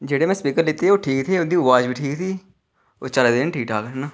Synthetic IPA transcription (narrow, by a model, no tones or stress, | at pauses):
d͡ʒeːɽeːmɛ̃ːspiːkəɾlɪt̪eːoːʈʰiːkt̪ʰeːʊnd̪iːʊʋaːd͡ʒbiːʈʰiːkt̪iː | o̰ːt͡ʃəlːd̪eːnʈʰiːkʈaːkəɾnaː